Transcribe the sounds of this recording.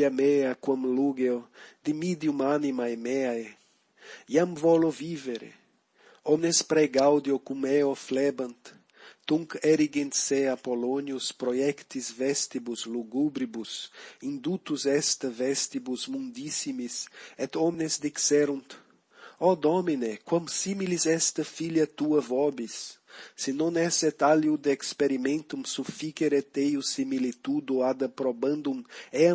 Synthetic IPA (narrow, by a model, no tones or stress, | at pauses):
ameakwamluɡeod̪imid̪jumanimajmea | jamvɔloviveɾḛ | ɔmnespɾɛɡawd̪jokumeoflɛbant̪ː | uŋkɛɾiɡint̪seapolonjuspɾojɛkt̪izvɛst̪ibusluɡubɾibusĩnd̪ut̪uzɛst̪ɐvɛst̪ibuzmũnd̪isimisɛt̪ɔmnezd̪iksɛɾũnt̪ | ɔd̪ɔminekwɐ̃msimilizɛst̪ɐfiljɐt̪uɐvɔbisːinõnɛsɛt̪aljud̪eːkspeɾimẽnt̪umsufikeɾet̪ejusimilit̪ud̪uad̪ɐpɾobɐ̃nd̪umɛɐ